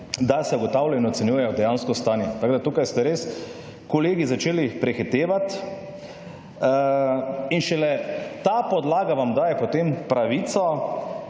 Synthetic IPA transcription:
d̪asɛuɡɔt̪awlɛinɔt̪sɛnjuːjɛjɔd̪ɛjanskɔst̪aːnjɛt̪aɡd̪at̪uːkajst̪ɛɾeːs | kɔleːɡizat͡ʃeːlipɾɛxit̪eːʋat̪ | inʃɛlɛt̪apɔd̪laːɡaʋamd̪aːjɛpɔt̪empɾaʋiːt̪sɔ

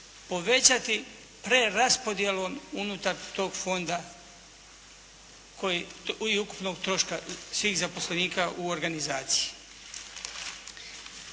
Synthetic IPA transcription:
po̞ʋe̞t͡ɕat̪i | pɾe̞ɾaspo̞d̪je̞lo̞ːmunut̪aɾt̪o̞ːɡfo̞nd̪a | koiuku̥pno̞ɡt̪ɾo̞ʃkasʋiːxzapo̞sleniːkaʔuo̞ɾɡanizaːt̪si̥ji

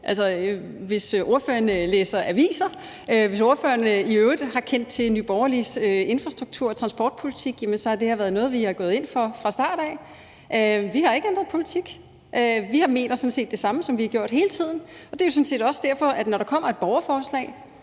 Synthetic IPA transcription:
ʔæls̬ɒ | ʋe̝sʔo̝ɐføːɐnleːsɐʔæʋḭːsɐ | øʋe̝so̝ɐføːɐniøʊðˠhɑ̈kʰen̰d̥̚t͡sʰe̝lnyːb̥ɒʊɐlisøe̝nfʁɑsd̥ʁuɡ̥̚t͡sʰuɐ̰ɒt͡sʰʁɑ̈nsb̥ɒ̰ːd̥̚pʰolit͡sʰiɡ̥jæmənsɒ̽hɑd̥e̝hæ̈ʋæːɐð̞̩ˠnɔ̽ːðˠʋihɑ̈ɡ̥ɔ̽ːðˠe̝n̰fɒfʁɑ̈sd̥ɑ̰̈ːɾ̥ɛ | ʔʋihɑ̈e̝ɡ̥ɑnd̥ʁɐpʰo̝lit͡sʰiɡ̥ | ʔøʋihɑ̈me̝̰ːnɐsɔ̽n̩se̝̰ːd̥e̝sɑ̈məsɒ̽mʋihɑɡ̥jo̝ɐ̰d̥he̝ːlət͡sʰið̞̰ˠn̩ɒ̽d̥e̝jo̝sɔ̽n̩se̝̰ːd̥ɒ̽səd̥æɐ̰fɒ̽ʔæd̥nɒɾ̥ɑ̈kʰɒ̽m̰ɐe̝d̥̚b̥ɒʊɐfɒːslɛ̰ːɪ

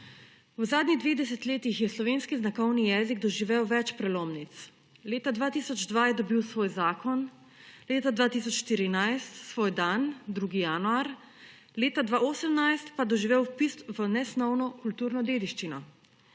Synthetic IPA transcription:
wzaːd̪niɣd̪ʋeːɣd̪ɛsɛt̪leːt̪ixjɛslɔʋeːnskiznakɔwnijɛːziɡ̚d̪ɔʒiʋewʋɛt͡ʃpɾɛloːmnit̪s | leːt̪ad̪ʋaːt̪iːsɔd͡ʒd̪ʋaːjɛd̪ɔbiwsʋoːjzaːkɔn | leːt̪ad̪ʋaːt̪isɔt͡ʃʃt̪iɾinajst̪sʋoːjd̪and̪ɾuːɡijanuaɾ | leːt̪ad̪ʋaoːsəmnajst̪pad̪ɔʒiʋewpist̪ʋənɛsnɔwnɔkult̪uːɾnɔd̪eːd̪iʃt͡ʃinɔ

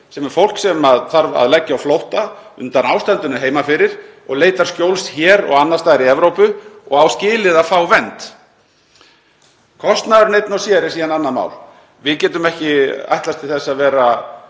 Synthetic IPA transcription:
sɛmɛɾfowl̥ksɛmaðθaɾva̰ðlɛcːawflowht̪a | ʏnt̪anawst̪ɛnt̪ʏnʏɦeːjmafɪɾɪɾ̥ɔɣleːjt̪aɾ̥skcowlsçɛːɾɔ̰ɣanːaɾ̥st̪aːðɪɾiɛvɾowpʏɔ̰ɣawscɪːlɪðafaːwvɛnt̪ | kʰɔst̪naðʏɾnejt̪nawsjɛːɾɪsiːðananːanma̰ːwl | vɪðcɛːt̪ʏmɛhcɪa̰jht̪last̪ʰɪlθɛsːaðvɛːɾa

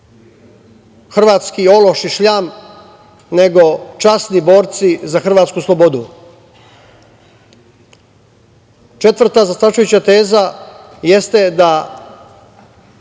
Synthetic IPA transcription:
xr̩ʋaːt̪skio̞lo̞ʃiʃʎam | ne̞ɡo̞t͡ʃasnibo̞ːɾt̪sizaxr̩ʋaːt̪skuslˠo̞bo̞d̪u | t͡ʃe̞t̪ʋr̩t̪azast̪at͡ʃujut͡ɕat̪e̞ːza | jest̪ed̪a

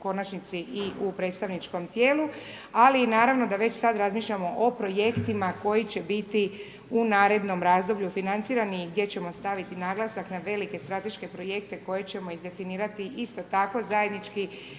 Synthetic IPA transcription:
ko̞nat͡ʃnit̪siʔiupɾe̞ːt̪st̪aʋnit͡ʃko̞mt̪je̞ːlu | aliːnaːɾaʋno̞d̪aʋe̞t͡ɕsad̪ɾazmiːʃʎamo̞ʔopɾo̞je̞kt̪imako̞jit͡ɕe̞bit̪i | unaːɾe̞d̪no̞mɾaːzd̪o̞bʎufinant̪siːɾaniɡd̪je̞t͡ɕe̞mo̞st̪aʋit̪inaːɡlˠasaknaʋe̞like̞st̪ɾat̪e̞ʃke̞pɾo̞je̞k̚t̪e̞ko̞je̞t͡ɕe̞mo̞izd̪e̞finiːɾat̪iʔist̪o̞t̪ako̞zaje̞d̪nit͡ʃki

